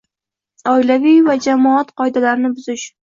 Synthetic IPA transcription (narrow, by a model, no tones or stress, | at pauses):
ɒjlavijvad͡ʒamɒat̪qʰɒjd̪alaɾnɪbʊz̥ɪʃ